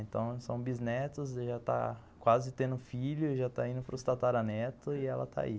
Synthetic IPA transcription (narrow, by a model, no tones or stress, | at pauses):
ẽnt̪ɐ̃w̃sɐ̃w̃biznɛt̪ʊsʒat̪a̰ | kwazɪt̪ẽnd̪ʊfiʎʊʒat̪aĩnd̪ʊpɾʊst̪at̪aɾɐnɛt̪ʊɪɛlɐ̰t̪ʰa̰i